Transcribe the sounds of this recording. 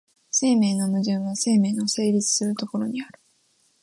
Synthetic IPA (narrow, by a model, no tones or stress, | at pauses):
se̞ːme̞ːnonoʑĩɰ̃βase̞ːme̞ːnose̞ːɾʲit͡sɨ̥sɨɾɯ̟t̪o̞ko̞ɾo̞ɲ̟iaɾɯ̟